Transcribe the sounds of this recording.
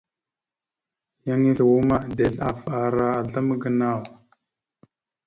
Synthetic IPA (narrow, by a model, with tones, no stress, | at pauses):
ja˦ŋi˦ɮwu˦ma˦˨de˨ɮa˨fa˨ɾa˦a˨ɮə˦mɡə˨na˦˨w